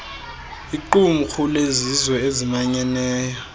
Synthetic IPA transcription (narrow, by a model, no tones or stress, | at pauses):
iǃumuxʰulezizwɛezimaɲɛnɛːjɔ